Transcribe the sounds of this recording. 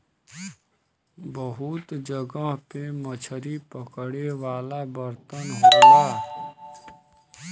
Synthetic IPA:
bəɦʊt̪d͡ʒəɡaɦpemət͡ʃʰəɾipəkəɽewaːlabəɾt̪ənɦoːt̪aː

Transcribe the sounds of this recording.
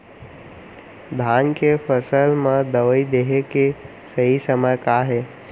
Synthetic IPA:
d̪ʱaːnkefʰəsəlmə̃d̪əʋəid̪eɦeke | səɦisəməɾkaɦɛː

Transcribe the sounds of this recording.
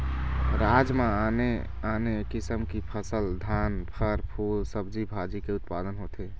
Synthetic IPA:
ɾaːd͡ʒmãane | anekɪsəmkipʰəsəld̪ʱaːnpʰəɾpʰuːlsəbd͡ʒibʱad͡ʒikeʊt̪pad̪ənɦot̪ʰe

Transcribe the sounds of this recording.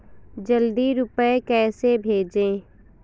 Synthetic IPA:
d͡ʒəld̪iɾʊpəekɛːsebʱeːd͡ʒẽː

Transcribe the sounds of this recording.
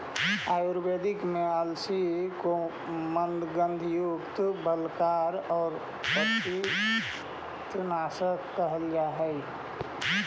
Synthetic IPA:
aːjuɾbeːd̪ɪkmẽəlsiko | mənd̪ɡə̃nd̪ʱjʊkt̪bəlkaːɾɔːɾ | pəi | t͡ʃʊnaːsəkːəɦəljaɦɛɪ

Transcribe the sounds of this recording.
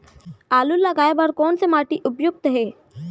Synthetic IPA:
aːlulːɐɡaːebɐɾkɔːnsemaːʈiʔʊpjʊk̚t̪əɦeː

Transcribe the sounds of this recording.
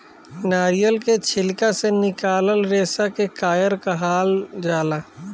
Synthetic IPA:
naːɾijəlket͡ʃʰɪlkasenɪkaːləlɾeːsakekaːjəɾkaɦaːld͡ʒaːlaː

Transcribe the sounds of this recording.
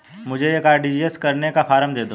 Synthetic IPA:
mʊd͡ʒʱejekaːɾɖid͡ʒieskɐɾnekafaːɾəmd̪eːd̪o

